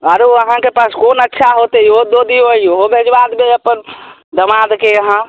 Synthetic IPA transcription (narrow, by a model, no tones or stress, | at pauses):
əɾoəɦãkepaskonətːʃʰaɦot̪eiod̪od̪ioiɦobʱed͡ʒbad̪beəpənd̪əmad̪keəɦã